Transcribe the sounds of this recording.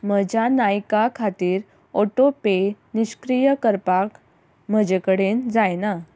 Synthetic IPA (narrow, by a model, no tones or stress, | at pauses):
m̤əd͡ʑanajkakʰat̪iːɾ | oʈope | niɕkɾijəkəɾpak | m̤əd͡ʑekəɽend͡zajna